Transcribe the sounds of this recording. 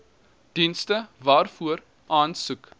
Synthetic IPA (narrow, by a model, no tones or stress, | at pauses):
d̥instəvɑːrfuər | ʔɑːnsuk